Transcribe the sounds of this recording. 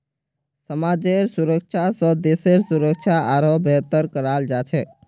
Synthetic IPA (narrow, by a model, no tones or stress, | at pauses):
səmad͡ʒeɾsuɾək̚t͡ʃʰasə̃d̪eseɾsuɾək̚t͡ʃʰaʔaɾobʱet̪əɾkəɾald͡ʒat͡ʃʰɛ